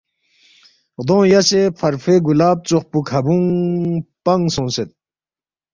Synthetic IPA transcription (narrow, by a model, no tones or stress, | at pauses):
ʁd̪õːjasepʰɐɾfeɡulaːb̚t͡soχpukʰhɐbũŋ | pɐŋsõːnset̪̚